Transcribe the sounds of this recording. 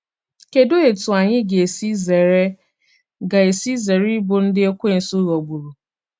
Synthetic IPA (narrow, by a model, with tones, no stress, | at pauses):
ke˨do˦e˨tʊ˨a˨ɲɪ˦ɡe˨si˦ze˨ɾe˦ | ɡa˨e˨si˦ze˨ɾi˦bʊ˨n̩˦dɪ˦e˦kʷe˦n̩˨su˦ɣo˨ɡ͡bu˨ɾu˨